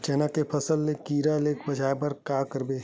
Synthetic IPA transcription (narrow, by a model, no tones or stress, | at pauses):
t͡ʃɛːnakepʰəsəlːekiːɾaleːkʰbɐd͡ʒaːebəɾkaːkəɾbeː